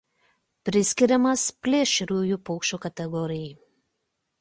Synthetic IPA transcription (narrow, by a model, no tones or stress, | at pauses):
pʲɾʲɪsʲkʲɪɾʲɛmɐspʲlʲeːʃʲɪɾʲuːjupɔʊkʃʲt͡ʃʲoːkɐt̪ʲɛɡɔɾʲɪjɛɪ